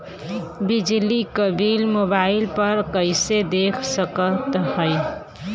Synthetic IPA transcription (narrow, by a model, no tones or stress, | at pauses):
bid͡ʒlikəbilmobailpəɾkəɪsed̪ekʰsəkət̪həj